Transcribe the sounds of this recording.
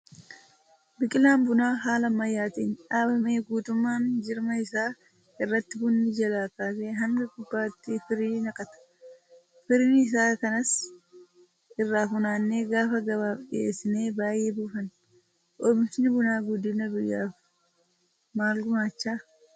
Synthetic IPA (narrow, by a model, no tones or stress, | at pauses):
bɪkʼɪlaːmbʊnaːɦaːlɐmɐjːaːt̪ḛːnᶑaːbɐme̞ːɡuːt̪ʊmːaːnd͡ʒɪɾmɐɪsaː | ɪrːɐt̪ːɪbʊnːɪd͡ʒɐlaːkaːseːɦɐŋɡɐkʊbːaːt̪ːɪfɪɾiːnɐkʼɐt̪ɐ̥ | fɪɾmiɪs̬aːkɐnɐs | ɪrːaːfʊnaːnːe̞ːɡaːfɐɡɐβaːfɗɪ̰eːsːɪne̞ːbaːje̞ːbuːfɐn | ʔɔmɪsɪnɪbʊnaːɡʊd̪ːɪnɐbʊjːaːf | maːlɡʊmaːt͡ʃːaː